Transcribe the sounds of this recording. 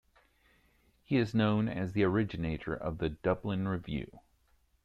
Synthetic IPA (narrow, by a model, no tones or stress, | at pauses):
hiɨznõʊ̃nɨ̰zðiə˞ɪd͡ʒɨneɪɾə̰˞ʔʌ̰vðɨdʌblɨ̃nɹɨvjʉ̰